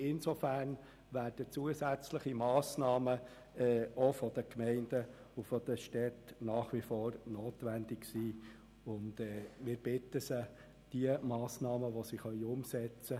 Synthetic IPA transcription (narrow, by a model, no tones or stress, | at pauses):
ɪnsofæːrn | ʋæːrd̥ət͡suəsæt͡sləχimɑːsnɑːmə | ɛofɔd̥̪əkmɛɪnd̥ə | ufɔd̪əʃtɛtnɑːχʋifoːɾnoːt̪ʋænd̪ɪksiː | ʊndɛːmɪːɾb̥ɪt̪ːəsə | d̥iəmɑːsnɑːməʋɔsiχœʏʊmsɛt͡sə